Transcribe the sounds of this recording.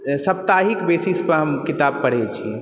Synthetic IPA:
səp̚t̪aɦikbesispəɾɦəmkit̪ab̚kəɽ̤ɛt͡ʃʰi

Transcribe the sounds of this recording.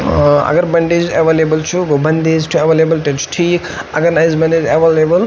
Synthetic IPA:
ɐ̰ɡɐɾbɐɳɖeːd͡ʒɐʋelebɐlt͡ʃʰuɡobɐnd̪eːd͡ʒʈʰuɐʋelebɐlʈet͡ʃʰu̥ʈʰiːk | ɐɡɐɾnajzbɐned͡ʒɐʋelebɐl

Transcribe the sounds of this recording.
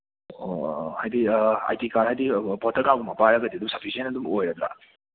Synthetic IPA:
hajd̪ia̰jtikaɾɦajd̪ibɔt̪ʰːəkaɡumapaɾaɡad̪id̪umsʌpʰisend̪umojɾad̪ɾa̰

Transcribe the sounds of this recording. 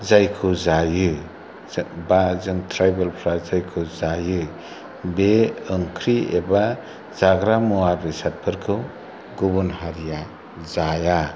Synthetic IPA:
zajkʰɯzajɯ | bazɯŋtʰɾajbelpʰɾazajkʰɯzajɯ | beɯŋkʰɾieba | zaɡɾamuwaɾːisat̚pʰɯɾkʰɯw | ɡubunɦaɾija | zaja

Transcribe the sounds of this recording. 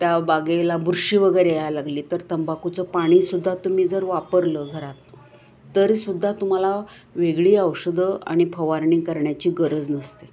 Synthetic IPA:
t̪jabaɡelabuɾɕiːʋəɡəjɾejalaɡliːt̪əɾt̪əmbakut͡səpaɽ̃iːsud̪ʱːat̪um̤iːd͡zəɾʋapəɾləɡʱəɾat̪ː | əɾsud̪ʱːat̪um̤ala | ʋeɡɭiːəwɕəd̪ʱəa̰ɽ̃ipʰəʋaɾɳiːkəɾɳjat͡ɕiːɡəɾəd͡znəst̪e

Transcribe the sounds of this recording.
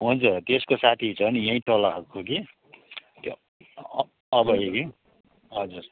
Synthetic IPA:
ɦũnt͡sʌt̪eskosat̪ʰiit͡sʰʌbʌnijʌ̃ĩʈolaɦʌkoki | t̪o | ʌbʌɦeki | ɦʌd͡zuɾ

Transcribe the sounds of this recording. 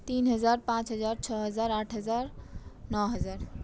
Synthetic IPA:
t̪iːnɦəzaːɾpãːt͡ɕɦəzaːɾt͡ɕʰəɦəzaːɾaːʈʰɦəzaːɾnɔɦəzaːɾ

